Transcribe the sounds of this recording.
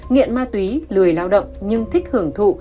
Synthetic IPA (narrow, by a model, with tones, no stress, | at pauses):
ŋḭ˧˨ənmaː˧t̪wi˨˦lɨ˨˩əjlaː˧wɗə̰˧˨wŋ͡mɲɨ˧ŋt̪ʰï˦˥k̚hɨ˧˩əŋt̪ʰṵ˧˨